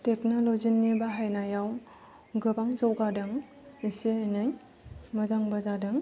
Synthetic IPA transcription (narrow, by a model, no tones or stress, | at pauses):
tek̚nolozinibaɦajnajaw | ɡɯbaŋzawɡadɯŋ | isenɯj | mɐzaŋbazadɯŋ